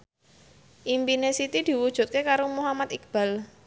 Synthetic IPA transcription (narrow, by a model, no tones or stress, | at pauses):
ʔimpinesit̪id̪̥i̤wud̥ʒ̥ṳt̪̚kekaɾomuɦamat̪ik̚b̥a̤l